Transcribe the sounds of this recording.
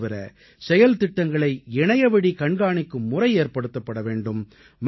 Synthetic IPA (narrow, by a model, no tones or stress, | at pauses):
ʋɪɾɐ̰ | sɛjɐlt̪ɪʈːɐŋɡɐɭɐɪɛɳɐjɐʋɐɽikɐɳɡaːɳɪkːɯmːʊrɐɪeːɾpɐɽɯt̪ːɐpːɐɽɐʋeːɳɖɯmː